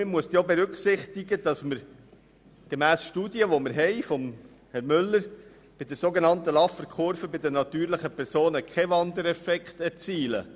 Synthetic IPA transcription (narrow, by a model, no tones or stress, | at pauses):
mɪmuəst̪jobeɾʏkχsɪχt̪ɪɡəd̪̥ɑsmɪɾ | ɡ̥emæːsʃtuːdjəʋɔmɪɾɦɛɪfɔm | hɛɾmʏlːəɾ | b̥ɪd̪ɛɾsoɡenɑnt̪əlɑfːəɾkʰχʊɾfəbɪd̪ənɑt̪yːɾləχəpʰɛɾsoːnəkʰɛvɑnd̪əɾɛfɛkχt̪ɛɾt͡siːlə̰